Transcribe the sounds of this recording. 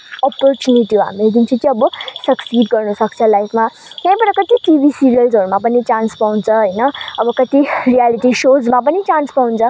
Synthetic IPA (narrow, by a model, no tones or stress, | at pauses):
ɔpɔɾt͡ʃuniʈiua̰mek̪int͡ʃʰukiʌbusʌksiːɖɡʌɾnusʌkt͡sʰʌlajfma | jãĩpʌɾɐkʌt̪iʈibʱisiɾijəlzəɾumap̬əniʈãnspãw̃nt͡sʰʌɦəjnʌːbʌkʌt̪iɾijaliʈiʃod͡zmãp̬ənit͡ʃãnspaw̃nt͡sʰʌ